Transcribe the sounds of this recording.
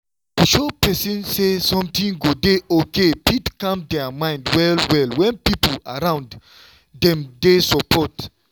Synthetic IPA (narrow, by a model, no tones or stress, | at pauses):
tuʃopɛsĩnsesɔ̃mtĩŋɡodeokepitkãmdɛamãɪ̃ndwɛlwɛlwɛ̃npipolaɾãʊ̃nd | dɛ̃mdesɔpɔt